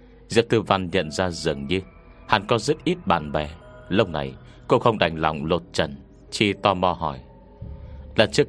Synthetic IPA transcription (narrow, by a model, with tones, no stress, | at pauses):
zḭ˧˨əw̚t̪ɨ˧va˧nɲə̰˧˨nzaː˧zɨ˨˩əŋɲɨ˧ | ha̰˨˩nkɔ˨˦zə˦˥t̚ʔi˦˥t̚ɓa̰ː˧˨nɓɛ˨˩ | lə˧wna˨˩j | ko˧xə˧wŋ͡mɗa̰˨˩jŋ̟la̰˨˩wŋ͡mlo˨˩t̚t͡ɕə˧˩n | t͡ɕi˧t̪ɔ˧mɔ˧ɦɔ˧˩j | la̰˧˩n̚t͡ɕɨ˦˥k